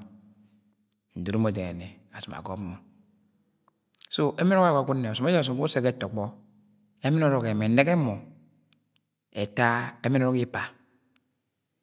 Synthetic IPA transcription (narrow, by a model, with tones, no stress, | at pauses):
n̩˨do˨ɾo˦mo˨de˨ne˨ | a˨su˨ma̰˨ɡo˦bmo˨ | so˦e˦mi˦a˦˨a˨ɡu˦nːe˨su˨me˦d͡ʒs̬u˨m˨ku˦se˦ke˦to˨k͡pɔ˦ | e˦mi˦n˦o˦ɾo˨ke˨me˨ne˦ɡe˦mo˨ | e˨ta˦e˦mi˦nɔ˦ɾɔ˦ki˦pa˨